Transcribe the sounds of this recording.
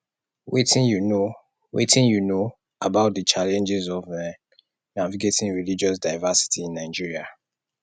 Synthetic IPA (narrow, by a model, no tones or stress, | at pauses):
wetĩnjuno | wḛtĩnjuno | abaʊt̚dət͡ʃalɛ̃nd͡ʒizɔvɛ̃ | naviɡetĩɹilid͡ʒɔs̬daɪvasi̥tʰiĩnːaɪd͡ʒiɹia